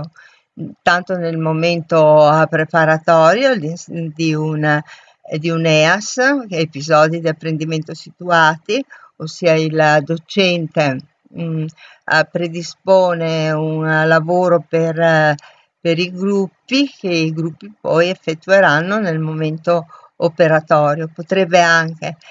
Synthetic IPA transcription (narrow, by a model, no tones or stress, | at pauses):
t̪ant̪onelmoment̪opɾepaɾat̪ɔːɾjoid̪iun | d̪iunɛasepizɔd̪id̪iapːɾend̪iment̪osit̪uaːt̪iosiːaild̪ot͡ʃɛnt̪e | pɾed̪ispoːneunlavoːɾoper | peɾiɡɾupːik̟eiɡɾupːipɔjefːet̪ːueɾanːonelmoment̪o | opeɾat̪ɔːɾjopot̪ɾebːeaŋk̟e